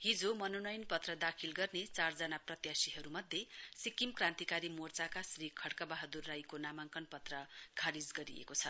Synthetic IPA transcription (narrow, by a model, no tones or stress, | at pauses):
ɦid͡zomʌnonʌjnpʌt̪rʌd̪akʰilɡʌrnet͡sard͡zʌnaprʌt̪jasiɦʌɾumʌd̪ʱjesikimkrãnt̪ikaɾimort͡sakasrikʰʌɽkabaɦʌd̪urːajkonamaŋkʌnpʌt̪rʌkʰaɾid͡zɡʌɾḭḛkot͡sʰʌ